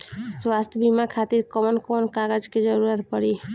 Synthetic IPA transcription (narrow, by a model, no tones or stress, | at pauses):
swast̪ʰbimakʰat̪iɾkəmənkonkaɡəd͡ʒked͡ʒəɾuɾət̪pəɾi